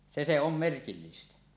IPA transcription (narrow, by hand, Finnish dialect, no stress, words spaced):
se se om merkilːistæ